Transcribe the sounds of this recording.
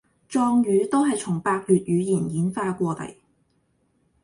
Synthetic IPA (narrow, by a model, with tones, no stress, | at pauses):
t͡ʃɔː˧ŋjyː˨˧˥t̪o˥wɦɐ˨jt͡ʃʰʊ˨˩ŋpaː˧k̚jyː˨t̚ɥyː˨˧jiː˨˩njiː˨˥nfaː˧kʷɔː˧t̪ɐ̰˨˩j